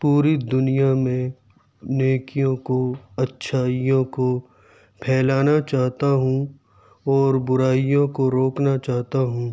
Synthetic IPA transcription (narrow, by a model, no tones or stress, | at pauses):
puːɾid̪ʊnijamẽ | neːkijõkoɐtːʃʰaːijõko | pʰɛːlaːnat͡ʃaːɦt̪aɦũ | ɔːɾbʊɾaːijõkoɾoːknat͡ʃaːɦt̪aɦũː